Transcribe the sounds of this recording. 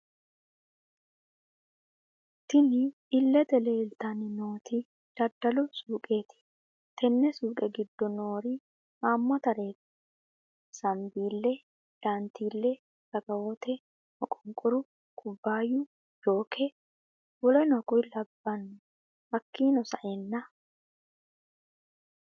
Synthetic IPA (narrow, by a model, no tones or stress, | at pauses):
t̪ɪnɪː | lːɛd̪ɛleːlt̪ɐnɪnoːt̪i | d̪̥ɐd̪ːɐlʊsuːkʼeːt̪ɪ̥ | t̪ʰɛnːɛsuːkʼɛɡɪd̪ːɔnoːɾi | aːmːɐt̪ɐɾe̞ːt̪ɪ̥ | sɐmbiːlːɛ | d̥aːnt̪iːlːɛ | sɐɡɐwɔt̪ɛ | nɔkʼʊŋkʼʊɾʊ | kʼʊbːaːjʊ | jo̞ːkʰɛ | wɔlɔnɔkʼʊjlɐbːɐnːʊ | hɐkːiːnɔsɐ̰ʔɛnːɐ